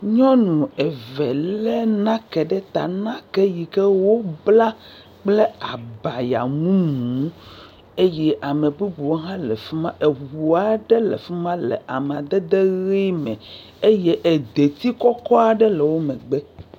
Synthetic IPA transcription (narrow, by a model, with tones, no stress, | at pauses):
ɲɔ̃˦nũ˨ɛ˨vɛ˨llɛ˦nã˦kɛ˨ɖɛ˦t̪a̰˨nã˦kɛ˦ji˨kɛ˦wo˦bla˦ | k͡plɛ˦a˨ba˨ja̰˨mũ˦mũ˨˦ | e˦jɛ˦ʔa˨me˨bu˦bu˨wo˦ɦã˦lɛ˨fi˦mã˦ʔe˨wu˨a˨ɖɛ˦lɛ̰˨fɛ˦mã˦lɛ̰˨ʔa˨me˨a˨d̪ɛ˦d̪e˦ɣi˦mɛ̰̃˨ | e˦jɛ˦ʔe˨d̪e˨t̪i˦kɔ˦kɔ˦a˨ɖɛ˦le˨wo˦mɛ̃˨ɡ͡bɛ˦